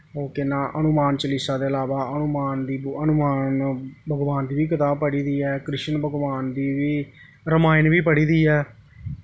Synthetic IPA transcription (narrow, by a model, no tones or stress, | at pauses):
ɦoːkɪnãːʔənʊmaːnt͡ʃəlɪsaːd̪eːəlaːʋaːənʊmaːnd̪iːənʊmaːnbʱəɡʋaːnd̪iːʋiːkət̪ãːpəɽiːd̪iːɛːkɾɪʃənbəɡʋaːnd̪iːʋiː | ɾəmaːɪnʋiːpəɽiːd̪iːɛː